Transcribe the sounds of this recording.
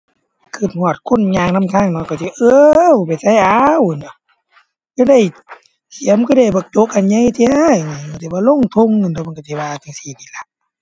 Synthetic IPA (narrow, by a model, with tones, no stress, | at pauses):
kʰɯː˧˩t̪̚hɔ˧˩˨t̪̚kʰo˧˥˨nɲaː˧ŋna˧˥˨mt̪ʰaː˧˩˨ŋnɔ˧˩ka˧˩si˧˩ʔɤː˧˦˨wpa˨˩jsa˧˥˨jʔa˧˦˨wnɔ˧˩ | ka˧da˧˩˨j | kʰi˨˦ə˦mkʰɯ˧˨da˧˩jbɔː˧t͡ɕo˧˥k̚ʔa˧˨nɲa˧˥˨jt̪ʰi˧a˧˩˨jŋa˧˩˨ma˧˩˨t̪ʰi˧baː˧˦lo˧˥˨ŋt̪ʰo˧˨ŋːɯ˧˨nt̪ʰma˧˨kt̪sʰi˧˨waː˧t̪ʰa˧˩siː˧˩t̪ʰiː˧la˧˦k̚